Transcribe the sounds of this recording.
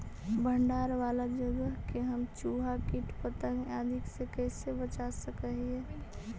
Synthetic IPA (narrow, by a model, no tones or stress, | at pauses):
bə̃ɳɖaːɾʋaːlad͡ʒəɡəɦkeɦəmt͡ʃuːɦakiʈpət̪ə̃ŋɡad̪ʱɪksekɛːsebət͡ʃasəkəɦiɦɛ̃ː